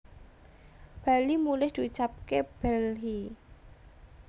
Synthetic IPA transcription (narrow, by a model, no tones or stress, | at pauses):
b̥a̤limulɪhd̪̥i̤ut͡ʃap̚keb̥ɛlɦi